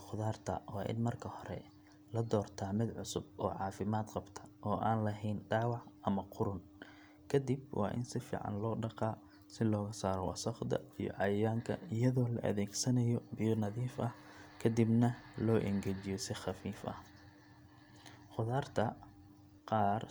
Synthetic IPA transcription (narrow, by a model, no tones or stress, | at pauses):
χʊðaːrt̪ʰɐ̰wɑːʔɪ̰nmɐrkʰɐhɔɾɛ̰ | lɐd̪ɔːrt̪ʰamɪd̪ʕʊsʊb̚ɔ̰ːʕɑːfɪmaːd̪qɑbt̪ʰɐ̥ʔɔːʔaːnlɐɦɛjnɖɑːwɑʕʔɐmɐqʊɾʊn | kʰɐd̪ibwɑ̰ːʔɪ̰nsɪfḭːʕɑ̰nlɔːɖɑqɑː | sɪlɔːɣɐsaːɾɔwɑ̰sɐχd̪ɐ̰ijɔ̰ʕɑjjaːŋkʰɐ̰ɪjɐðɔːlɐʔɐ̰ðɛːɡsɐnɐjɔbɪjɔnɐðiːfʔɐ | kʰɐd̪ibnɐlɔːʔɛ̰ŋɡɛt͡ʃɪjɔsɪχɑfiːfʔɐ̰h | χʊðaːrt̪ʰɐ | qɑːr